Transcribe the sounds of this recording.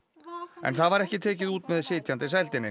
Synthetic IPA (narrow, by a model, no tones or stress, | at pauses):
ɛ̰nθaðvaɾɛhcɪt̪ʰɛːcɪðuːt̪mɛðsɪːt̪ʰjant̪ɪs̬ɛjlt̪ɪnːɪ